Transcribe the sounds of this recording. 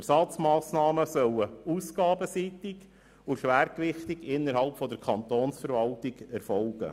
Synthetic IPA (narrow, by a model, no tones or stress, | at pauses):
ɛɾsɑt͡smɑːsnɑːməsœləusɡɑːbəsiːt̪ɪɡ | ʊʃʋæːɾkʋɪχt̪ɪɡɪnːəɾɦɑlpfɔd̪əɾkʰɑnt̪oːnsfəɾʋɑltɪɡ̥ɛɾfɔlɡ̥ə̰